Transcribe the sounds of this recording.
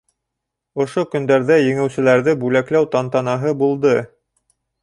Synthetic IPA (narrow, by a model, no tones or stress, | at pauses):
ŏʃokɵ̆nd̪æɾðæjɘ̆ŋɘ̆wsɘ̆læɾðɘbʉlæklæwt̪ɑnt̪ɑnɑɦɤbulˠd̪ɤ